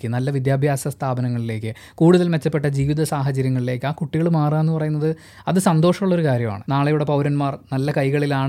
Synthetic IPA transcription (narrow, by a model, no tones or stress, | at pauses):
kːɨnɐlːɐʋid̪jaːbʱjaːsɐst̪ʰaːbɐnɐŋːɐɭile̞ːkːɨ | kuːɽuðɐlme̞t͡ɕːɐpːe̞ʈːɐd͡ʑiːʋiðɐsaːɦɐt͡ɕɐɾjɐŋːɐɭile̞ːkːɨaːkuʈːiɣɐɭmaːraenːɨpɐrɐjunːɐðɨ | ɐðɨsɐnd̪o̞ːʂɐmːuɭːo̞ɾukaːɾjɐma̰ːɳɨnaːɭejuɽe̞pɐwɾɐnmaːrnɐlːɐkɐjɣɐɭilaːɳ